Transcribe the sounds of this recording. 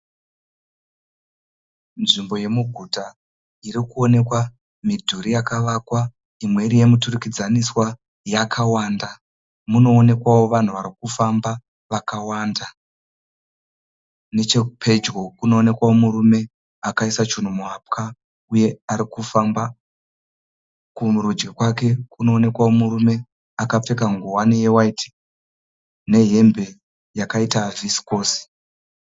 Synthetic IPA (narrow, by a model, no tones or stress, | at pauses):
nʐimbo̞je̞muɡʱuta | iɾikuo̞ne̞kwa | midʱuɾijakaʋakwa | imwe̞ɾije̞miturukid͡zaniswa | jakʰawaːnda | muno̞ːne̞kwawo̞ʋan̤uʋaɾikufamba | ʋakawaːnda | ne̞t͡ʃekupʰe̞d͡ʒɡo̞kuno̞ːne̞kwawo̞muɾume̞ | akaisat͡ʃun̤umuɦap̚kʰa | uje̞aɾikufamba | kumuɾud͡ʒɡekwake̞kuno̞ːne̞kwawo̞muɾume̞ | akap͡fe̞kaŋɡuwanijewaiti̥ | ne̞ɦe̞mbe̞ | jakaitavisi̥ko̞ːsi̥